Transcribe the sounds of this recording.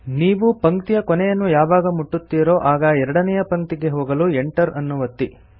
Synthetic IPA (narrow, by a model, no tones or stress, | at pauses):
niːʋupɐŋkt̪ijɐkɔnɛjɐnːujaːʋaːɡɐmuʈːut̪ːiːɾo̞ːʔaːɡɐɛɾɐɽɐnɛjɐpɐŋk̚t̪iɡe̞ɦoːɡɐlueɳʈɐɾɐnːuʋɐt̪ːi